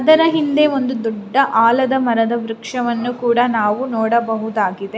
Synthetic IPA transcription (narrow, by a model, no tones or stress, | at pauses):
ɐd̪ɐɾɐɦind̪e̞o̞nd̪ud̪uɖːɐʔaːlɐd̪ɐmɐɾɐd̪ɐʋɾukʂɐʋɐnːukuːɽɐnaːʋunɔːɽɐbɐɦud̪aːɡid̪e